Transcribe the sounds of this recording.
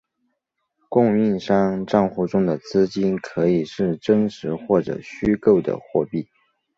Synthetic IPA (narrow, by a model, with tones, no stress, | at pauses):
kʊ˥˧ŋi˥˩˧nʂɑ˥ŋʈ͡ʂɑ˥˧ŋxu˥˩ʈ͡ʂʊ˥ŋd̪ə˨t͡sɹ̩˥t͡ɕi˥nkʰɤ˧˥i˨˩ʂɻ̩˥˩ʈ͡ʂɤ˥ŋʂɻ̩˧˥xwɔ˥˩ʈ͡ʂɤ̰˨˩ɕy˥ko˥˩ʊd̪ə̰˩xwɔ˥˧pi˥˩